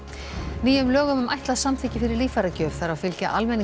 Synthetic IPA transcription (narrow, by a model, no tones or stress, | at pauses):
niːʏmlœːɣʏmʏma̰jht̪laðsamt̪ʰɪːcɪfɪɾɪɾliːfaɾacœːv̥θaɾawfɪlcaʔalmɛnːɪ